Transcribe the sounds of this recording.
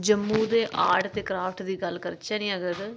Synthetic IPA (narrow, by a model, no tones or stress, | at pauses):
d͡ʒəmːũːd̪eːʔaːɖt̪eːkɾaːpʰʈd̪iːɡəlkəɾt͡ʃaːnĩːəɡəɾ